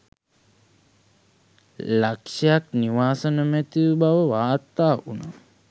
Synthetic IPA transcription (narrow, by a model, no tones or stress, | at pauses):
lakʂejakniʋaːsənəmæt̪iʋəbaʋəʋaːrt̪aːʔunaː